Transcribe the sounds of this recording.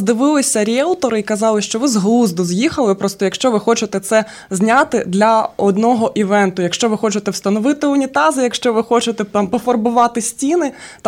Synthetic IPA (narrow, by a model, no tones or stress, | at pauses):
zd̪ɪʋɪlˠɪsʲɐɾʲɛlˠt̪ɔɾɪikɐzɑlˠɪʃt͡ʃɔʋɪzɦlˠuzd̪ɔzjixɐlˠɪpɾɔst̪ɔjɐkʃt͡ʃɔʋɪxɔt͡ʃɪt̪ɛt̪sɛ | zʲnʲat̪ɪd̪lʲɐɔd̪nɔɦɔʔiʋɛnt̪ʊjɐkʃt͡ʃɔʋɪxɔt͡ʃɪt̪ɛwst̪ɐnɔʋɪt̪ɪʊnʲit̪ɑzɪjɐkʃt͡ʃɔʋɪxɔt͡ʃɪt̪ɛt̪ɑmpɔfɔrbʊʋɑt̪ɪsʲtʲinɪ | t̪